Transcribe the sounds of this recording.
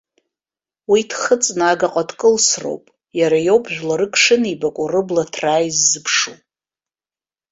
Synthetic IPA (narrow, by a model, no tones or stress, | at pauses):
witʰχət͡sʼnaɡaqʼadkʼɨlsro̰wpʼ | jaɾajo̞wbʼʒᶣʷlaɾɨkʰʼʂɨnibakʷʼʊrɨblatʰraːjzːɨpʰʂu